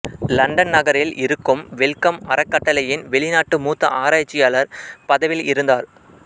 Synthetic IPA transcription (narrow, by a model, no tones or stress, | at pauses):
lɐɳɖɐnnɐɣɐɾɪlʔɪɾɯkːɯmʋɛɭkɐmɐɾɐkːɐʈːɐlɐjɪnʋɛɭɪnaːʈːɯmuːt̪ːɐ̰ʔaːɾaːt͡ʃːɪjaːlɐɾpɐðɐʋɪlɪɾɯnd̪aːɾ